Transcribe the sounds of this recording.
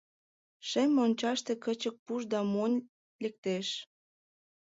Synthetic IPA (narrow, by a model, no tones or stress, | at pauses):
ʃemonʲt͡ɕɑʃt̪ekət͡ɕək̚puʃd̪ɑmonʲ | lek̚t̪eʃ